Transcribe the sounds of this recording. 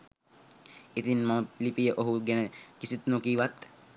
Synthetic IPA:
it̪inmaməlipijəʔoɦuɡenəkisit̪nokiːʋat̪

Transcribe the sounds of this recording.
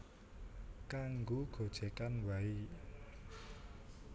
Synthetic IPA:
kaŋɡuɡ̥o̤d̥ʒ̥e̤kanwai

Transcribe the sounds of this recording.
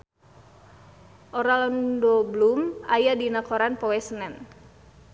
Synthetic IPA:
ʔɔɾalɔndɔblumajadinakɔɾanpɔwɛsənɛn

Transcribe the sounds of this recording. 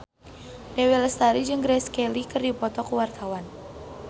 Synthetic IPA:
dɛwiləst̪aɾid͡ʒɨŋɡɾɛskɛlikɨrdipɔt̪ɔkuwart̪awan

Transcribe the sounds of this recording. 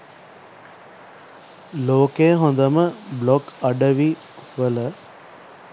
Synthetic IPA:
loːkeːɦõnd̪ɐməblɔkɐɖəʋi | ʋələ

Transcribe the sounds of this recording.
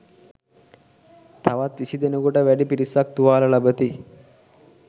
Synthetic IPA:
t̪aʋat̪ʋisid̪enəkoʈəʋæɖipiɾisak̚t̪uʋaːləlabət̪i

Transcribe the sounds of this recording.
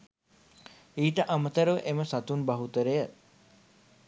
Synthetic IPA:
iːʈəʔamət̪əɾəʋəʔeməsat̪unbɐɦut̪əɾejə

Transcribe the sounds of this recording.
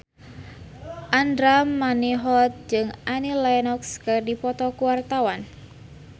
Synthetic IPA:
ʔandɾamːaniɦɔt̪̚d͡ʒɨŋʔanilajnɔkskərdipɔt̪ɔkuwart̪awan

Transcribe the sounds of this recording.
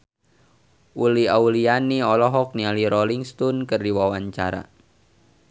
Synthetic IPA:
ʔuliaulianiɔlɔɦɔk̚nialiɾɔliŋst̪unkərdiwawaɲt͡ʃa̰ɾa̰

